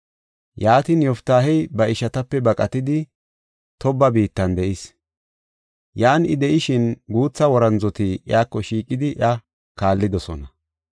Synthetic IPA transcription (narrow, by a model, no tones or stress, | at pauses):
jaːt̪injɔft̪aːɦɛjbɐɪʃɐt̪ɐpːɛbɐkʼɐt̪ɪd̪ɪ | t̪ɔbːɐbiːt̪ːɐnd̪ɛʔɪs | jaːnɪd̪ɛʔɪʃɪnɡuːt͡sːɐwɔɾɐnzɔt̪ɪʔjaːkːɔʃiːkʼɪd̪ɪʔɐ | kaːlːɪd̪ɔsɔ̰nɐ